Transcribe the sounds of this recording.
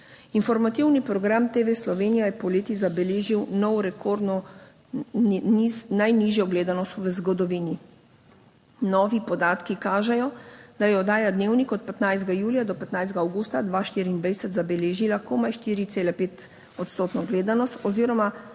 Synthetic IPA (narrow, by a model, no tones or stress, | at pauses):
infɔɾmat̪iwnipɾɔɡɾamt̪eʋeslɔʋeːnijajɛpɔleːt̪izabɛleːʒiwnɔwɾɛkʰoɾd̪nɔ | inajniːʒjɔɡleːd̪anɔst̪ʋəzɡɔd̪ɔʋiːni | nɔːʋipɔd̪aːt̪kikaːʒɛjɔd̪̥ajɛɔd̪aːjad̪neːwnikɔt̪̚pɛt̪najzd̪ɡajuːlijad̪ɔpɛt̪najzɡaːwɡuːst̪ad̪ʋaʃt̪iːɾind̪ʋɛjsɛt̪zabɛleːʒilakɔmajʃt̪iːɾit̪seːlɛpeːt̪ | ɔt̪st̪oːt̪nɔɡleːd̪anɔst̪ɔziːɾɔma